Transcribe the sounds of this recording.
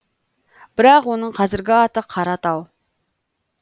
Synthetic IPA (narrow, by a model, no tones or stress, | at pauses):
b̥ɪɾɑqwonəɴqʰɑzɪɾɡʲɪɑt̪əqʰɑɾɑt̪ɑw